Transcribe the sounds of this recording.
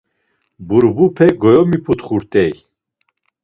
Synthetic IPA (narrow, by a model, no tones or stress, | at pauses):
buɾbupʰɛɡɔjɔmipʰut̪χuɾt̪ʼɛj